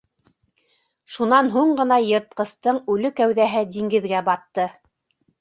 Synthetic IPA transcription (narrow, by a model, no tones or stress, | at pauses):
ʃunɑnɦuɴɢɤ̆nɑjɤ̆ɾt̪̚qɤ̆st̪ɤɴʉlɵkæwðæɦɘd̪iŋɡɘ̆ðɡæbɑt̪ːɤ